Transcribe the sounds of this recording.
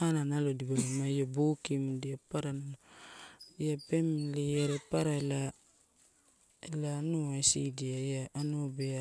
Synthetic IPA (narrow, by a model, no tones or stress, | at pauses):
ananalodibalomaijobokimdiapaɾanano | ijape̞mliaɾepaɾaela | elanuajsidiajjaːnobea